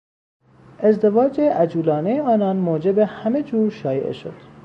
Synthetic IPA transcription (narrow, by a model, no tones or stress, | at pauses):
ʔe̞zd̪evɒːd͡ʒeʔæd͡ʒuːlɒːnejeɒːnɒːnmoːd͡ʒebehæme̞d͡ʒuːɾʃɒːjḛʔḛʃo̰d̪̥